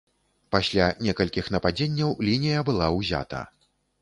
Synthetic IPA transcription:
pasʲlʲanʲɛkɐlʲkʲixnɐpad͡zʲenʲːɐwlʲinʲijɐbɨlˠawzʲa̰t̪ɐ̰

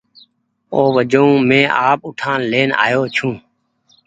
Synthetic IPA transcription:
oːʋəd͡ʒoũːmẽːʔaːp̚ʊʈʰãːnleːna̰ːjoːt͡ʃʰũː

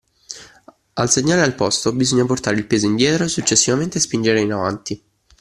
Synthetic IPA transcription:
alseɲːaːlealpɔst̪obizoɲːaport̪aːɾeilpeːzoind̪jɛːt̪ɾosut͡ʃːesːivament̪espind͡ʒeɾeinavant̪i

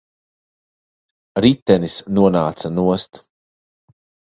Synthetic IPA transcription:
ɾit̪ːɛnisnuɔnaːt̪sanuɔst̪

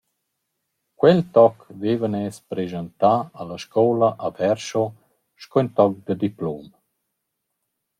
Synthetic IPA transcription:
kwɛlt̪ɔkvevənɛːspɾeʒənt̪aːlaʃkʰɔːlaʔavɛɾʃo | ʃkɔint̪ɔk̚d̪əd̪iploːm

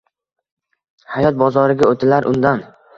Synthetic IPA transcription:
hajɒt̪̚bɒzɒɾɪɡʲaot̪ʰɪlaɾʔʊ̰nd̪an

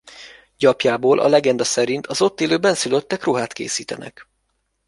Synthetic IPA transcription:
ɟɒpjaːboːlʔɒ̰lɛɡɛnd̪ɒsɛɾint̪ʰɒzo̞t̪ːeːløːbɛnsyløt̪ːɛkroɦaːt̪kḛːsiːt̪ɛnɛ̰k

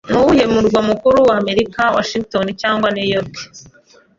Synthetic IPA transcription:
nuwuje̞muɾɡwamukuɾuwaːme̞ɾikawa̰ʃiŋɡtonicaːŋɡwanejoti̥

